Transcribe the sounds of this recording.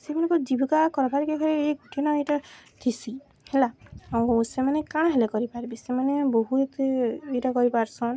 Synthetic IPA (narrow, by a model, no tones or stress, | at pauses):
semanẽkɔd͡ʒibʱikakɔɾɔpaɾikekʰɔɾeeɡuʈʰenɔeʈat̪ʰisi | helaaw̃semanekaɽ̃aɦelekɔɾipaɾbisemaneboɦuet̪eeʈakɔɾipaɾsɔn